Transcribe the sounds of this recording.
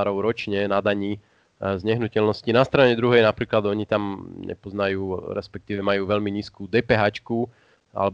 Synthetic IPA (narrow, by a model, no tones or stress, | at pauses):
ɾɔʊɾɔt͡ʃɲɛnad̪aɲiː | zɲɛɦnucɛlnɔscinast̪ɾaɲɛd̪ɾuɦɛjnapɾiːklad̪ɔɲit̪amɲɛ̰pɔznajuːɾɛ̰spɛk̚t̪iːʋɛmajuːʋɛʎmiɲiːskuːd̪ɛːpɛɦaːt͡ʃku | ʔa̰lɛb